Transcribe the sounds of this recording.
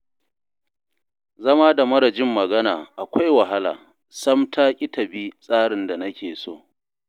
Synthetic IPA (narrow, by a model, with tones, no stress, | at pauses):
zɐ˦maː˦da˨mɐ˦ɾɐ˨d͡ʒɪ˦mːɐ˨ɡɐ˦na̰ː˨ʔa˨kʷa˦jwɐ˨ɦa˦la̰ː˨ | sɐ˦mtʰaː˦kʲʼɪ˦tʰɐ˨bi˦sʼaː˦ɽɪ˨nda˨nɐ˦kʲeː˨so̰ː˦˨